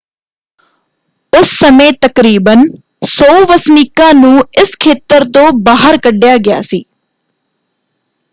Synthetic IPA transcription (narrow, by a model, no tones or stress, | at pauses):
ʊsːəmẽːt̪əkɾiːbən | soːʋəsnikãːnũːɪskʰeːt̪əɾt̪õːbaːɦəɾkəɖɪjaːɡɪja̰ːsiː